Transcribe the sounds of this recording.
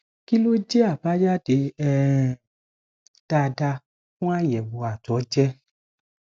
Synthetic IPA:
ki˦lo˦d͡ʒɛ˦a˦˨ba˦d͡ʒa˦de˨˦ɛ˦ | d̥a˧da˧ | fũ˦a˦jɛ˨bo˨˧a˨tɔ˨˦d͡ʒɛ˦

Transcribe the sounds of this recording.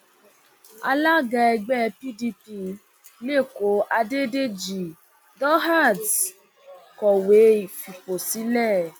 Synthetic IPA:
a̰˧la˦ɡa˧ɛ˧ɡ͡bɛ˦˨pi˦di˧pi˦ | le˦˨ko˨˦ʔa˧de˦de˦d͡ʒi˨ | dɔ˦ɦa˦˨d | kɔ˨we˨˦i˨fi˨po˨si˨˦lɛ˦˨

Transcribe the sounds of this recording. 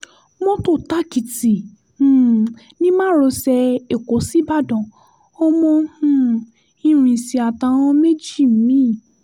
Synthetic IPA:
mɔ̃˦to˦˨ta˦ki˨tĩ˨˦ | nĩ˦mãː˦˨ɾo˧sɛ˧e˨ko˨˦si˨˦ba˦˨dɔ̃˨ | o˦mɔ̃˧hũ˦˨ | ĩ˦ɾ̃ĩ˧˨si˧a˨ta˧w̃ɔ̃˧me˦d͡ʒi˦˨m̩˨˦mĩ˦˨

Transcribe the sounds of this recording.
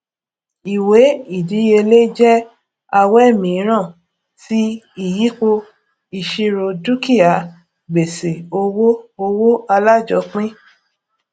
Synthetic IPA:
i˨we˨˦i˦˨di˨˦je˧le˦d͡ʒɛ˦ | a˧wɛ˦˨mĩ˨˦ɾ̃ã˦˨ | si˦ | i˦˨ji˨˦k͡po˧ | i˧˨ʃi˧ɾo˧du˦ki˦a˨ | ɡ͡be˨se˨o˧wo˦o˧wo˦a˧la˦d͡ʒɔ˨˦k͡pĩ˦

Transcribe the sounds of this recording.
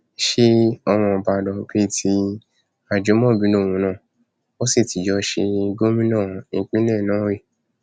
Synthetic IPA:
ʃe˦ɔ˧w̃ɔ̃˧ba˧dɔ˧be˦tʰi˧ | a˦˨d͡ʒo˨˦mɔ̃˦˨bi˨˦lo˦˨w̃ũ˨˧˦nãː˦˨ | o˦si˦˨ti˨d͡ʒɔ˧ʃe˧ɡo˦mĩ˦nã˦˨ĩ˧˦k͡pĩ˦lɛ˦˨nãː˦ɾi˦˨

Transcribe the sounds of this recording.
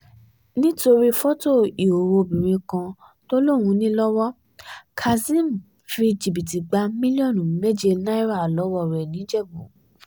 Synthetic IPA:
nĩ˦to˧ɾi˦fɔ˦to˦˨i˨o˨wo˧bĩ˨ɾ̃ĩ˧kã˧ | to˦lo˦˨w̃ũ˨˦nĩ˦lɔ˦wɔ˦ | kʰa˨zĩ˦m˨ | fi˧d͡ʒi˨bi˨ti˨ɡ͡ba˧˦mĩ˦li˦ɔ̃˦˨nũ˨me˦d͡ʒe˧na˦i˦ɾa˦˨lɔ˨˦wɔ˦ɾɛ˨nĩ˨˦d͡ʒɛ˦˨bo˨˦

